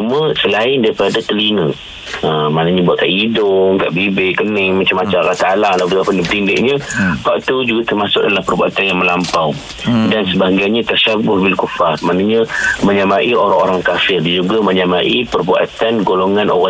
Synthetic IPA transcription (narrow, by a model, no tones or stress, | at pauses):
umə̃səlaɪndaɾipadat̪əlinə | əmanaɲabuaʔ̪̚kaʔidʊŋka̰ʔbibɪʔkənɪŋmat͡ʃamːat͡ʃamrat̪alalabət̪apənibt̪indɪʔɲə̃paʔt̪ud͡ʒuɡat̪ərmasʊk̚dalampərbuat̪anjaŋməlampaw | dansəbaɡajɲat̪aʃabʊhbilkufarmanaɲaməɲamaʔioɾaŋoɾaŋkafɪrdand͡ʒuɡaməɲamaʔipərbua̰t̪anɡoloŋanʔo̰ɣa